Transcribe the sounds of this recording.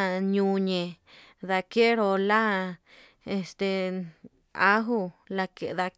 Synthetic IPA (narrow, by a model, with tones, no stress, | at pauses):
ɲũ˧ɲẽ˨ | ða˧ke˦ɾo˧la˦ | e˧st̪e˨˧ | a˦ɦu˦˧la˧ke˧ða˧k